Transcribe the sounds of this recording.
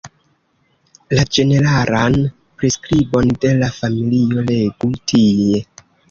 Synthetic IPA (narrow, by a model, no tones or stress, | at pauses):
lad͡ʒe̞ne̞ɾaɾan | pɾeskɾibo̞nde̞lafamilio̞le̞ɡutʰie̞